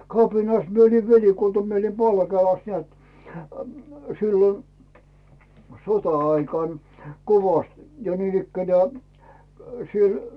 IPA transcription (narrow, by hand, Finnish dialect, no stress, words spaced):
kɑpinɑs mie oli ʋelikultɑ mie oli pɑlkeːlɑs nĕæt silːon sotɑɑikɑˑn koʋɑst jɑ niːn ikːænæː siel